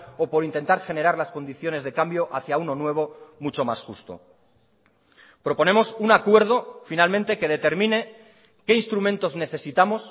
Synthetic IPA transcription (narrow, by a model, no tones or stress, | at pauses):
opo̞ɾint̪e̞nt̪aɾxe̞ne̞ɾaɾlasko̞nd̪iθjo̞ne̞zðe̞kambjo̞ʔaθjauno̞nwe̞β̞o̞mut͡ʃo̞masxṵst̪o̞̰ | pɾo̞po̞ne̞mo̞sunakwe̞ɾð̞o̞finalmẽ̞nt̪e̞ke̞ð̞e̞t̪e̞ɾmĩne̞ | ke̞inst̪ɾument̪o̞zne̞θe̞sit̪amo̞s